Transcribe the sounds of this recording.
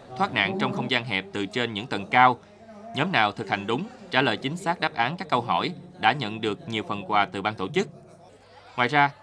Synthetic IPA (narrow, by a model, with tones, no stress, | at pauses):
t̪ʰwaː˦˥k̚na̰ː˧˨ŋt͡ɕɔ˧wŋ͡mxə˧wŋ͡mzaː˧nɦɛ˨˩p̚t̪ɨ˨˩t͡ɕe˧nɲɨ̰˧˥ŋt̪ə˨˩nkaː˧w | ɲɔ˨˦mnaː˨˩wt̪ʰɨ˨˩k̚ha˨˩ŋ̟ɗʊ˨˦ŋ͡mt͡ɕaː˧˩lə̰ː˨˩jt͡ɕï˨˦ŋ̟saː˦˥k̚ɗaː˦˥p̚ʔaː˨˦nkaː˦˥kːə˧wɦɔ˧˩jɗa̰ː˧˥ɲə̰˧˨nɗɨ˨˩ək̚ɲi˨˩əwfə˨˩nkwaː˨˩t̪ɨ˨˩ɓaː˧nt̪o̰˧˩t͡ɕɨ˦˥k̚ | ŋwa̰ː˨˩jzaː˧